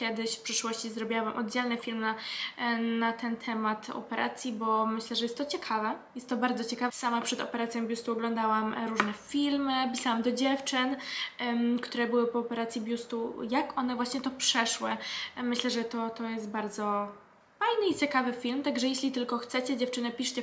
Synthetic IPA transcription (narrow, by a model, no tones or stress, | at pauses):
kʲjɛd̪ɘɕfpʂɘʂwɔɕt͡ɕizɾɔbʲjawamʔɔd̪̚d͡ʑɛlnɘfʲilmna | nat̪ʰɛnt̪ʰɛmat̪ɔ̰pɛɾʔa̰t̪sʲjibɔmɘɕlɛʐɛjɛst̪ːɔt͡ɕɛkʰavɛjɛst̪ːɔbaɾd̪zɔt͡ɕɛkavsamapʂɛd̪ɔ̰pɛɾat̪sʲjɔ̃bʲjust̪uɔɡlɔnd̪awamɾuʐnɛfʲilmɘpʲisawamd̪ɔd͡ʑɛft͡ʂɘn | kt̪uɾɛbɘwɘpɔːpɛɾat̪sʲjibʲjust̪ujakʔɔn̪ɛvwaɕɲɛt̪ɔpʂɛʂwɘ̰mɘɕlɛʐɛt̪ɔt̪ɔjɛst̪̚baɾd̪zɔ | fajnɘit͡ɕɛkavɘfʲilmt̪aɡʐɛjeɕlʲit̪ɘlkɔxt̪sɛt͡ɕɛd͡ʑɛft͡ʂɘnɛpʲiʂt͡ɕɛ